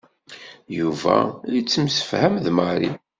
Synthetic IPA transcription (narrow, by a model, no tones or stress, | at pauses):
juvæ̰jət͡sːəmsə̥fhæmðməɾi